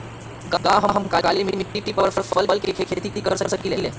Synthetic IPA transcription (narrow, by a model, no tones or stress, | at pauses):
ɡaɡaɦəɦəmkaɡalimimiʈːiʈipəʋɾfəɾfəlkəlkekʰekʰet̪iʈ̪iːkəɾsəɾsəkilele